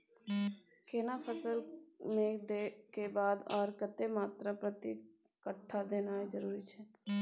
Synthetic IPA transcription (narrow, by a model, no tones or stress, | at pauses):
keːnapʰəsəlmẽd̪ekebaːd̪aːɾkət̪ːemaːt̪ɾapɾət̪i | kəʈʰːad̪eːnaːed͡ʒəɾuːɾit͡ʃʰɛː